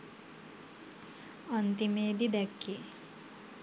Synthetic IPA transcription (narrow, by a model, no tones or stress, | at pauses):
ʌnt̪imeːd̪id̪ɛkːe